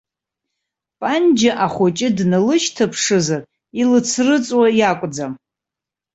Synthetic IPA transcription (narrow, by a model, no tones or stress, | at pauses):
pʼand͡ʒaʔaχʷot͡ʃʼɪdnalɨʃtʰapʰʂɨzar | ilɨt͡sʰrɨt͡sʼwajakʷʼd͡zam